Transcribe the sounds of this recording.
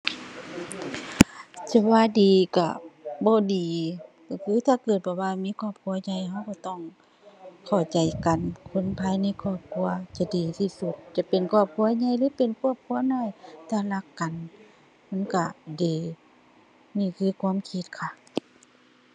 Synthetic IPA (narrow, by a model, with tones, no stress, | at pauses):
t͡ɕa˧˩waː˧˨diː˨˩ka̰˧˩bɔː˧˦diː˨kɔ˧˩kʰɯː˧˦t̪ʰaː˧˩kɤː˨˩t̪̚bɔː˧waː˧miː˧˥˨kʰɔː˧˩˨p̚kʰu˧˦ɐ˧ɲa˧˨jɦa˧wkɔ˧˩t̪ɔ˧˩˨ŋ | kʰa˨˧˩wt͡ɕa˨jka˨nkʰo˧˥˨npʰaː˧˥jna˧˥˨jkʰɔː˧˩p̚kʰu˧˥ɐt͡ɕa˧˩diː˨˩t̪ʰiː˧su˧t̪̚t͡ɕa˧˩pe˨nkʰɔː˧˩p̚kʰu˧˨ɐɲa˧˥˨jlɯː˧˥˦pe˨nkʰu˧˥ə˨p̚kʰu˧˦ɐnɔː˧˨jt̪ʰaː˧˩la˧kːa˨n | ma˧˥˨nka˧˩deː˨˩ | niː˧˩˨kʰɯː˧˦kʰwaː˧˥˨mkʰi˧t̪̚kʰa˧˩